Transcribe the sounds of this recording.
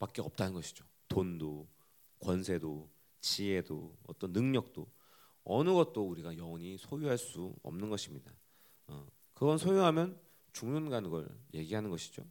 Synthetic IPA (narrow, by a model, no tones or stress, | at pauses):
pak͈eʌp̚t͈anɯnɡʌɕʰi̥d͡ʑo | tondo | kwʌnsʰe̞do | t͡ɕie̞doʌ̰t͈ʌnːɯŋɲʌk̚t͈o | ʌnɯɡʌt̚t͈ouɾiɡajʌʌɲisʰojuɦaɭs͈uʌ̰mnɯnɡʌɕʰimɲida | ʌ | kɯɡʌnsʰojuɦamjʌn | t͡ɕuŋnunɡanɡʌ̰ɭje̞ɡiɦanɯnɡʌɕʰi̥d͡ʑo